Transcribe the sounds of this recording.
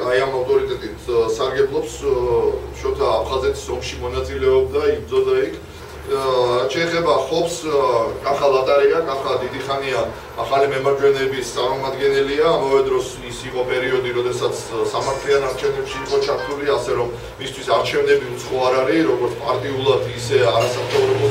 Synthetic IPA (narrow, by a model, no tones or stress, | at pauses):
ajamaft̪ʼɔɾit̪ʼɛt̪ʼit̪ʰsaɾɡɛblˠɔps | ʃɔt̪ʰaːpʰχazɛt̪ʰi̥sɔmʃimɔnat̪sʼilɛɔb̚d̪aisd̪zɔzaɛikʰ | ɾat̪ʃɛːχɛbaχɔpskʼanχalˠat̪ʼaɾɛakʼanχad̪id̪iχania | aχalimɛmaɾt͡ʃʰwɛnɛbist̪sʼaɾmɔmad̪ɡɛnɛliaːmavɛd̪ɾɔs | isiqʼɔpʼɛɾiɔd̪iɾɔd̪ɛsat̪sʰsamaɾt̪ʰlianaɾt͡ʃʰɛvnɛpʃiːqʼɔt͡ʃʰaɾt̪ʰuliasɛɾɔmː | ist̪ʰwisaɾt͡ʃʰɛvnɛbiut̪sʰχɔaɾaɾiɾɔɡɔɾt̪sʰpʼaɾt̪ʼiulˠad̪isɛaɾasakt̪ʰɔvɾɔbɔ